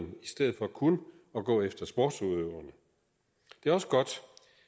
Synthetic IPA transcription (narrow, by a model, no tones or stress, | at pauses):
nisd̥eð̩ˠfɒ̽kʰunə | ɒ̽ɡ̥ɔ̰̽ːefd̥ɐsb̥ɒ̰ːd̥suðˠøʊɐnə | d̥e̝æɒ̽səɡ̥ɒ̽d̥